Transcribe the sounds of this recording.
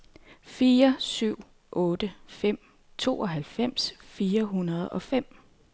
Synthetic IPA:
fiːɐsyʊ̰ | ʔɔ̽ːd̥əfem̰ | t͡sʰo̝ːɒ̽ɦælfem̰sfiːɐɦunɐð̞̩ˠɒ̽fem̰

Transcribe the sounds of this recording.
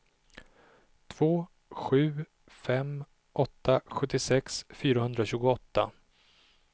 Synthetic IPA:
t̪ʰv̥oː | ɧʉ̟ː | fɛm | ʔɔt̪ːaɧɵt̪ːɪsɛksfyːɾahɵnd̪ɾaɕʉ̟ːɡʊɔt̪ʰːa̰

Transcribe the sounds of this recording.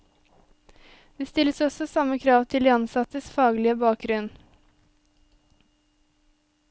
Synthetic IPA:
d̪̥eːst̪ɪləsɔsɔsɑməkʰɾɑːʋt̪ʰɪld̪iːɑnsɑt̪əsfɑːɡlɪəbɑːk̚ɡɾʉn

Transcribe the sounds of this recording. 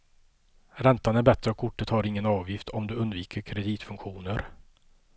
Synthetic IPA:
ɾɛnt̪anæɾbɛt̪ɾəɔkʰːʊʈːət̪haɾɪŋːənɑːvjɪft̪ʰɔmd̪ɵɵnd̪viːkʰəɾkʰɾɛd̪iːt̪fɵŋkɧuːnəɾ

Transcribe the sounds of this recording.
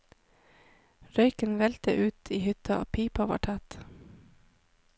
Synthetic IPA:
ɾœʏkənʋɛlt̪ə̰ʔʉːt̪ʰiːhʏt̪ɑʔɑ̰ːpʰiːpɑʋɑ̰ːʈʰɑt̪

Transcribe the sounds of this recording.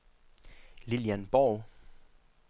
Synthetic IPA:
liljænb̥ɒʊ

